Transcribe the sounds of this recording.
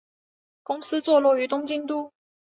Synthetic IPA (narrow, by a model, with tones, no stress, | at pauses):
kʊ˥ŋsɹ̩˥t͡swɔ˥˧lɔ˥˩y˨˥t̪ʊ˥ŋt͡ɕi˥˧ŋt̪u˥˩